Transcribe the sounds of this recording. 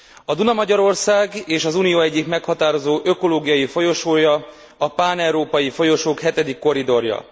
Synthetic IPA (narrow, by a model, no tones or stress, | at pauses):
ɒd̪unɒmɒɟɒɾo̞rsaːɡeːʃɒzunijoːɛɟːikmɛkhɒt̪aːɾo̞zoːʔøko̞loːɡijɒjifo̞jo̞ʃoːjɒ | ɒpaːnɛwɾoːpɒjifo̞jo̞ʃoːkhɛt̪ɛd̪ikːo̞ɾid̪o̞rjɒ̰